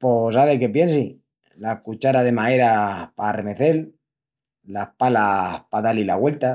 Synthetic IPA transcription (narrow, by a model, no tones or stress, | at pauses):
posaβeke̞pje̞ns̬i | lakut͡ʃaɾaðe̞mae̞ɾaparemeθe̞lː | apalapaðalila̰ɣwe̞lt̪a